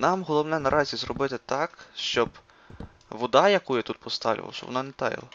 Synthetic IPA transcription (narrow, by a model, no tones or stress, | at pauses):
nɑmɦɔlˠɔwnɛnɐɾʔɑzʲizɾɔbɪt̪ɪt̪ɑkʃt͡ʃɔb | ʋɔd̪ɑjɐkujɛt̪ut̪̚pɔst̪ɑʋlʲḭʋɐ̰wˠʃɐ̰ʋɔ̰nɑnɛt̪ɑjḭlˠɐ